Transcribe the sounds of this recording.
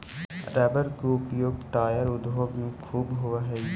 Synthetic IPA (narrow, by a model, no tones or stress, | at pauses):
ɾɛːbəɾkuʊpjoːɡʈaːjəɾʊd̪ɦoːɡjũkʰuːbɦʊʋaɦɛ